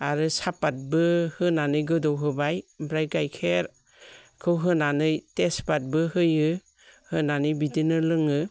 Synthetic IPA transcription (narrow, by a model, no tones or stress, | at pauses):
aɾɯsapːat̚bɯhɯnanɯjɡɯdɔwɦɯbajbɾajɡajkʰeɾ | kʰɯwɦɯnanɯjtespat̚bɯhɯjɯ | hɯnanɯjbidinɯlɯŋɯ